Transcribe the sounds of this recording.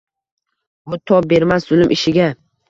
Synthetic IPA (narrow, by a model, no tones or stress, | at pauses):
bʊt̪ʰɒp̚be̞ɾmaszʊlɪmʔɪʃɪɡʲa